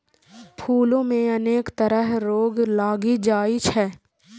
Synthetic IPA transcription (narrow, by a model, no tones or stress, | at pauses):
pʰuːlõmẽɐneːkt̪əɾəɦɾoːɡlaːɡid͡ʒaːit͡ʃʰɛː